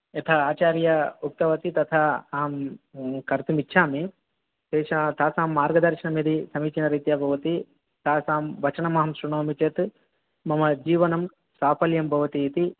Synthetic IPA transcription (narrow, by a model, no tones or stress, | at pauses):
et̪ʰɐaːt͡ʃaːɾjɐuk̚t̪ɐʋɐt̪it̪ɐt̪ʰɐaːmkɐɾt̪umitːʃʰaːmi | ʃeːʃɐt̪ʰaːsaːmːaːɾɡɐd̪ɐɾʃinɐmed̪ʱisɐmiːt͡ʃinɐɾɐjt̪jaːbʱɐʋɐt̪i | t̪aːsaːmʋɐt͡ʃɐnɐmɐɦɐmsɾuɳoːmit͡ʃeːt̪ | mɐmɐd͡ʒiːʋɐnɐm | saːpɐljɐmbʱɐʋɐt̪iːt̪i